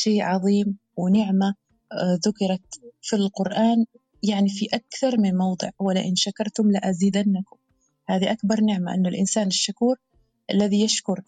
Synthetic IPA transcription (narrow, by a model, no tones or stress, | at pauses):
ʃeːʔʕɑðˤiːm | wɪnɪʕma | ðʊkɪɾˤɑt̪filqʊɾʔaːn | jaʕnifiʔakθɑɾˤmɪnmɑwd̪ˤɨ̰ʕwalːaʔɪnʃakɑɾˤt̪ʊmlaʔaziːd̪anːakʊm | haːðiʔakbɑɾˤnɪʕmaʔɪnːʊlʔɪnsaːnɪʃːakuːɾ | ʔalːaðijaʃkʊɾˤ